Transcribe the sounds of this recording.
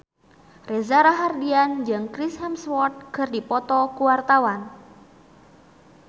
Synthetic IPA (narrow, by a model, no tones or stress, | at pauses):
rezaɾaɦardiand͡ʒɨŋkɾishɛmswɔt̪̚kɨrdipɔt̪ɔkuwart̪awan